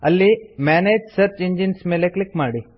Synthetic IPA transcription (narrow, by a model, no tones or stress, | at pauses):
ɐlːimɛned͡ʒsəɾt͡ɕiɲd͡ʒinsmeleklikmaɽi